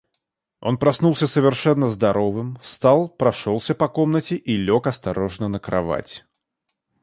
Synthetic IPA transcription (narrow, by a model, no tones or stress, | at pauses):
o̞̰npɾɐsnulˠsʲəsəvʲɪrʂɛnːəzd̪ɐɾovɨmst̪alˠpɾɐʂolˠsʲəpɐkomnətʲɪʔilʲokɐst̪ɐɾoʐnənəkɾɐ̰va̰tʲ